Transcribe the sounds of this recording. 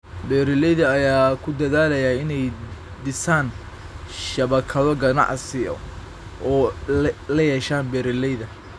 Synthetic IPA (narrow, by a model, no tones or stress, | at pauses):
bɛːɾɪlɛjðɐːjaːkʰʊd̪ɐðaːlɐjaɪnɛj | d̪ɪsaːn | ʃɐβɐkʰɐðɔɡɐnɑ̰ʕsɪjɔ̰ | ʔɔːlɐjɛːʃaːnbɛːɾɪlɛjðɐ